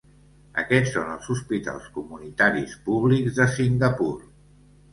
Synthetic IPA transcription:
ə̰kɛtsːonəlˠzuspit̪a̰lˠskumunit̪aɾispuβliɡzðəsiŋɡəpuɾ

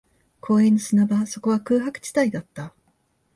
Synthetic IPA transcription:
kʰo̞ːẽ̞nːosɨnabaso̞ko̞βakɯ̟ːɦakɯ̟̥t͡ɕi̥t̪aid̪at̪ːa

